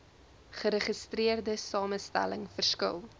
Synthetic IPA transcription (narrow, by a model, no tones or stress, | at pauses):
χəɾəχəstriərdəsɑːməstæ̰ləŋfərskə̰lˠ